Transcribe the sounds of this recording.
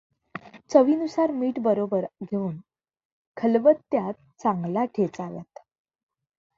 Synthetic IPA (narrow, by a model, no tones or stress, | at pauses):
t͡səʋiːnusaɾmiːʈbəɾobəɾɡʱeuːn | kʰəlʋət̪ːjat̪̚ | t͡sãŋɡlaʈʰet͡salat̪